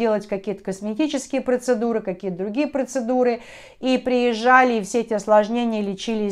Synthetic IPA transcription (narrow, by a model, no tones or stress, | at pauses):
elˠətʲkɐkʲijət̪ə̥kəsmʲɪtʲit͡ɕɪskʲɪjəpɾət̪sɨd̪uɾɨkɐkʲijət̪əd̪ɾʊɡʲijəpɾət̪sɨd̪uɾɨ | ipɾʲɪjɪʐːalʲɪːfsʲeɛtʲɪɐslˠɐʐnʲenʲɪjəlʲɪt͡ɕilʲɪ